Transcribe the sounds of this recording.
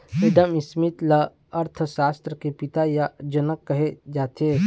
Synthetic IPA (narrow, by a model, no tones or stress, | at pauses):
meːɖəmɪsmɪt̪lɐ | ɐɾt̪ʰʃaːst̪ɾəkepɪt̪ajad͡ʒɐnəkːɐɦed͡ʒaːt̪eː